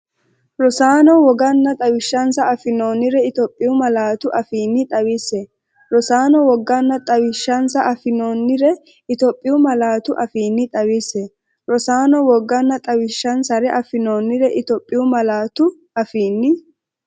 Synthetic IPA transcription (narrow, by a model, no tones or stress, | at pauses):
ɾɔsaːnɔwɔɡɐnːɐt̪ʼɐwɪʃːɐnsɐɐfɪnoːnːɪɾɛɪt̪ɔpʼːɪʊmɐlaːt̪ʊʔɐfiːnːɪt̪ʼɐwɪsɛ | ɾɔsaːnɔwɔɡːɐnːɐt̪ʼɐwɪʃːɐnsɐʔɐfɪnoːnːɪɾɛ | ɪt̪ɔpʼːɪjʊmɐlaːt̪ʊʔɐfiːnːɪt̪ʼɐwɪsɛ | ɾɔsaːnɔwɔɡːɐnːɐt̪ʼɐwɪʃːɐnsɐɾɛʔɐfɪnoːnːɪɾɛʔɪt̪ɔpʼːɪjʊmɐlaːt̪ʊ | ɐfiːnːɪ